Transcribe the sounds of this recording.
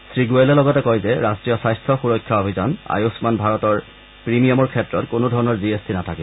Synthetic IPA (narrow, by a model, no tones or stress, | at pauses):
sɹiɡuelɛlɔɡɔtɛkɔjzɛɹastɹijɔsajstʰɔxuɹɔkʰːaobʱizana̰josmanbʱaɹɔtɔɹ | pɹimiɔmɔɹkʰɛtːɹɔtkonodʱɔɹɔnɔɹziestinatʰakibɔ